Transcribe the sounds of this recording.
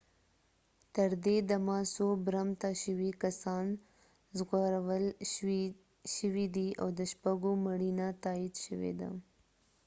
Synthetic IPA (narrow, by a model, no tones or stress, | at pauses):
t̪əɾd̪ed̪amasobɾamt̪aʃəwikasɑn | zɣaɾawəl | ʃəwid̪iawd̪əʃpaɡomaɽinat̪ɑid̪ʃəwḛd̪a̰